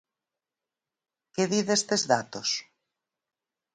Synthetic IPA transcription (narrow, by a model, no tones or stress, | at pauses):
keðiðest̪ezðat̪os